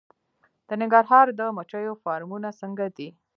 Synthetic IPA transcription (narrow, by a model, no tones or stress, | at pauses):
d̪̥ənɪŋɡaɾɦɑɾd̪əmat͡ʃəjofɑɾmunasəŋɡad̪i